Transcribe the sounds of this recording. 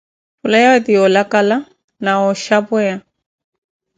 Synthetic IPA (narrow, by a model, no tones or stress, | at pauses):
fʊlajawɛt̪iɔlakala | naɔʃapwɛja